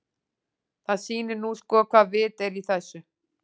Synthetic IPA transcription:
θaðsiːnɪɾnuskɔːkʰvaːðvɪːt̪ɛɾiθɛsːʏ

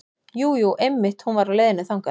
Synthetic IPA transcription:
juːjuʔejmːɪht̪hunvaɾaðleːjðɪnɪθawŋka

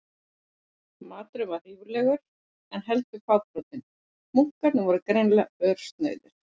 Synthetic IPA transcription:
maːt̪ɾʏvḁiːvʏɾlɛɣʏɾ | ɛnɦɛlt̪ʏkʰvaːwpɾowt̪ɪn | muŋ̥kaɾnʏvɔɾʏkɾejnlaœɾ̥st̪nœ̰ːɥðʏɾ̥

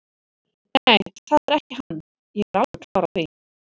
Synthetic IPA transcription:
ɛnθaðɛɾɛhcɪɦanː | jɛɛɾalvɛkʰlawɾaθi

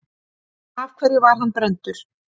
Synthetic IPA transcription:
av̥kʰvɛɾðɪvaɾ̥ɦanpɾɛnt̪ʏɾ̥

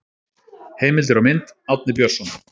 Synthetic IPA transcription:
heːjmɪlt̪ɪɾawmɪnt̪awt̪̚nɪpjœr̥sɔna

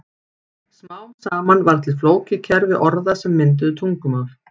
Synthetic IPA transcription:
smawsaːmanvaɾ̥t̪ʰɪlfloːwcɪcʰɛɾvɪʔɔɾðasɛmːɪnt̪̬ʏðʏt̪ʰuŋkʏmaf

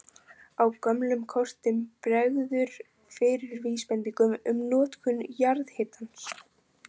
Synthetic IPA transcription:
awkœmlʏmkʰɔr̥t̪ɪmpɾɛɣðʏɾ̥ | fɪɾɪɾviːspɛnp̪iŋkʏmʏmnɔːt̪kʰʏnjaɾðhɪːt̪ans

